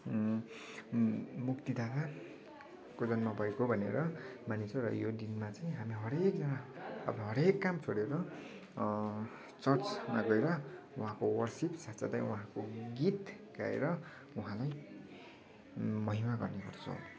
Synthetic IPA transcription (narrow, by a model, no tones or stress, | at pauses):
mukt̪id̪ʱat̪a | kod͡zʌnmabʌekobʱʌnḛɾʌmanit͡sʰʌ̃ɾʌ̰jod̪inmat͡saj̃ĩɦamiɦʌɾek̚d͡zʌnaʌ̰bʌɦʌɾekːamt͡sʰoɽeɾʌ | t͡sʌrt͡smaɡʌeɾʌ | uɦãkowʌrsipsat͡sʰad̪ajuɦãkoɡit̪ | ɡ̥a̰ḛɾʌ | uɦãlaj | mʌɦimaɡʌrnekʌrt͡sʰʌ̰̃